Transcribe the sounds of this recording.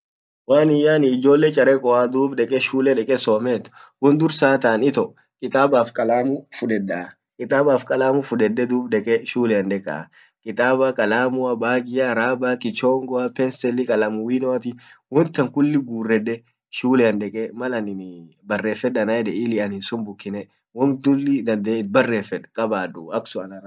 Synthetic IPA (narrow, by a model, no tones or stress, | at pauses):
waːnɪjaːnɪːd͡ʒo̞ːlːɛt͡ʃʼɐɾɛkʼɔad̪uːbᶑɛkʼɛʃuːlɛᶑɛkʼɛsɔːmɛːt̪ːʊ̥wʊnd̪ʊɾsaːt̪aːnɪt̪ɔ | kʼɪt̪ʼaːbaːfkʼɐlaːmʊfʊᶑɛda | kʼɪt̪ʼaːbaːfkʼɐlaːmʊfʊᶑɛdːɛd̪uːbᶑɛkʼɛʃuːlɛɐnᶑ̪ɛkʼːa̰ | kʼɪt̪ʼaːbakʼɐlaːmʊɐbaːɡɪjaɾaːbakʼɪt͡ʃɔŋɡɔɐpɛnsɛlːɪkʼɐlaːmʊwinɔɐt̪ɪwɔnt̪ːɐŋkʊlːɪɡuːrːɛᶑɛ | ʃuːlɛɐnᶑ̪ɛkʼɛmɐlɐnɪ | bɐrːeːfɛɗɐnɐɛᶑɛɪlɪɐnɪnsʊnbʊkːɪnɛ | wɔnd̪ʊlːɪd̪ɐnd̪ɛɪt̪̚bɐrːeːfɛᶑkʼɐbaːdʊɐksʊɐnɐɾ